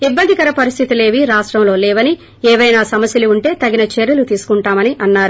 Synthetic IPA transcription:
ibːɐnd̪ikɐɾɐpɐɾist̪ʰit̪ile̞ːʋiɾaːʂʈɾɐmlo̞ːlɛːʋɐni | ɛːʋɐjnaːsɐmɐsjɐluuɳʈe̞ːt̪ɐɡinɐt͡ʃeːɾjulut̪iːsu̥kuɳʈaːmɐniʔɐnːaːɾu

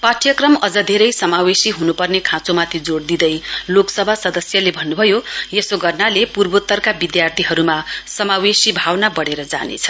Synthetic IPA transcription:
paʈʰjʌkrʌmʌd͡zʌd̪ʱeɾʌjsʌmawesiɦunupʌrnekʰãt͡somat̪ʰid͡zoɽd̪id̪ʌjloksʌbʱasʌd̪ʌsjʌlebʱʌnːubʱʌjojesoɡʌrnalepurbot̪ːʌrkabid̪jart̪ʰiɦʌɾumasʌmawesibʱawnabʌɽeɾʌd͡za̰nḛt͡sʰʌ̥

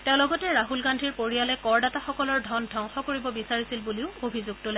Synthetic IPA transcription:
tɛ̃ʊ̃lɔɡɔtɛɹaɦulɡandʱiɹpoɹijalɛkɔɹdataxɔkɔlɔɹdʱɔndʱɔŋxɔkoɹibɔbisaɹisilbuliʊobʱizuɡ̚tʊla

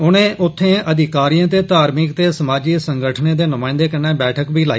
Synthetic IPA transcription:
ʊnẽːʔʊt̪ʰːẽːʔəd̪ɪkaːɾijãːt̪eːt̪aːɾmɪkt̪eːsəmaːd͡ʒiːsəŋɡəʈʰnẽːd̪eːnʊmãːɪ̃nd̪eːkənːɛːbɛːʈʰəkbʱiːlaːi

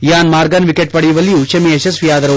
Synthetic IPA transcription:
jaːnmaːɾɡɐnʋikeʈ̚pɐɽɛjuʋɐlːijuːʃɐmieʃɐsʋijaːd̪ɐɾɐ

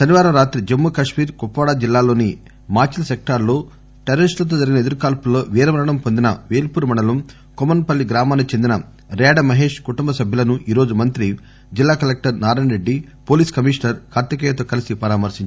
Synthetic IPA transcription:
ʃɐniʋaːɾɐmɾaːt̪ɾid͡ʒɐmːukɐʂmiːɾkupːʋɐːɽaːd͡ʒilːaːlo̞ːni | maːt͡ʃilsek̚ʈaɾlo̞ː | ʈɛɾɐɾisʈlɐt̪̬oːd͡ʒɐɾiɡinɐed̪ɐɾukaːlpulːo̞ːʋiːɾɐʋɐɾɐɳɐmpond̪inɐʋeːlpuːɾumɐɳɐlɐm | komɐnpɐlːiɡɾaːmaːnut͡ʃe̞nd̪inɐ | ɾɛːɖɐmɐɦe̞ːʂkuʈumbɐsɐbʱjɐlɐnuʔiːɾo̞ːd͡ʒumɐnt̪ɾi | d͡ʒilːaːkɐlek̚ʈɐɾnaːɾɐɳɾe̞ɖːi | po̞ːliːskɐmiːʂnɐɾkʰaːɾt̪ɐkɛːjɐt̪o̞ːkɐlisipɐɾaːmɐɾsiɲt͡ʃ

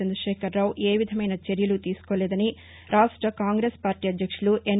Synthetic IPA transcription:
ɐnd̪ɾɐʃeːkɐɾːaːwʔeːʋid̪ʱɐmɐjnɐt͡ʃeɾijɐlut̪iːsi̥koɭːed̪ɐni | ɾʔaːʂʈɾɐkaːŋɡɾeːspaːɾʈiɐd̪ʱjɐkʂɐɭuʔen

